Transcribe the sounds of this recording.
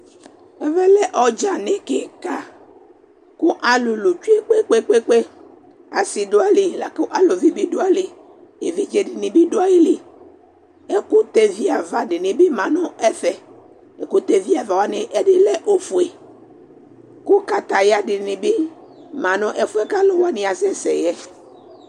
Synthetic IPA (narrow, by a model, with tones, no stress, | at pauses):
ɛ˦vɛ˦lɛ˦ʔɔ˦d͡ʒa˨nẽ˦ke˨ka˦ | ku˦ʔa˨lu˨lu˨t͡ʃi˦e˦k͡pe˦k͡pe˦k͡pe˦k͡pe˦ | a˨si˨ɖo˦a˦li˨la˨ku˦ʔa˨lo˨vi˦bi˦do˦a˨li˨ | je˨vi˦d͡ʒe˨ɖi˨nĩ˨bi˦ɖo˦a˦ji˦li˨ | e˦ku˦t̪e˦vi˦a˨va˨ɖɪ˨nĩ˨bi˦mã˨nɔ̃˦ɛ˦fɛ˨ | e˨ku˦t̪e˨vi˦a˨va˨wa˦nĩ˨ʔe˦di˦lɛ˦ʔo˦fu˨e˨ | ku˦ka˦t̪a˨ja˦ɖɪ˨nĩ˨bi˦ | mã˨nɔ̃˦ʔɛ˦fu˦ɛ˦ka˦lo˦wa˦nĩ˨a˨sɛ˦sɛ̰˨jɛ˦